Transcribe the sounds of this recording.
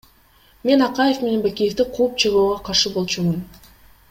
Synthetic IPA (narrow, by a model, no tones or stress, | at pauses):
me̞nɑqɑje̞fme̞ne̞nbakʲijeft̪iqʰuːp̚t͡ʃʰeʁoːʁɑqʰɑɾʃɯbo̞lˠt͡ʃumɯn